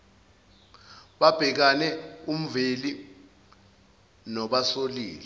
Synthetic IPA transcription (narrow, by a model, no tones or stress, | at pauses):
ɓab̥ʱɛk̬anɛum̩veli | nɔɓasoliːlɛ